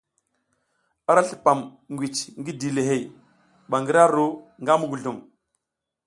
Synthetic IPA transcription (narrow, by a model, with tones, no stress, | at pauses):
a˦ɾa˦ɬi̥˨pa˨m | ŋɡʷi˨t͡ʃŋɡi˦di˨le˨ɦe˨j | ba˨ŋɡi˦ɾa˦ɾu˦ŋɡa˦mu˦ɡu˨ɮu˨m